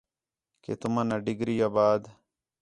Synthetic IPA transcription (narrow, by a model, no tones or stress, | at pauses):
ket̪umanaɖiɡɾijaːbaːd̪